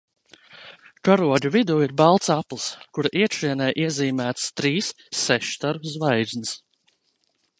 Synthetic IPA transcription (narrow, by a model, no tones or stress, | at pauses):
kaɾuɔɟʲuvid̪uːiɾbalˠt̪saplˠskuɾaʔiɛkʃiɛnɛjʔiɛziːmæːt̪st̪ɾiːsː | ɛʃt̪aɾzvajd̪zʲnɨs